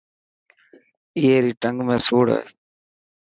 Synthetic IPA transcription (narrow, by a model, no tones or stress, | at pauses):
ieːɾiʈɐŋɡmeːsuːɽa̰ː